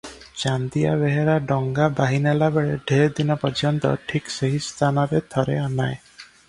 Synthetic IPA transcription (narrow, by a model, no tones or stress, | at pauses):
t͡ʃand̪ija̰βeɦeɾaɖɔŋɡabaɦinalabeɭeɖʱeɾd̪inɔpɔd͡ʒʰɔnt̪ɔ̰ʈʰikseɦist̪ʰanɔɾet̪ʰɔɾeanae